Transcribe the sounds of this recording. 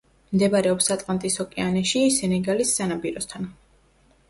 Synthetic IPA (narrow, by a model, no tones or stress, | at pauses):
md̪ɛbaɾɛɔpsat̪ʼlʼant̪ʼisɔkʼɛanɛʃisɛnɛɡalisːanabiɾɔst̪ʰan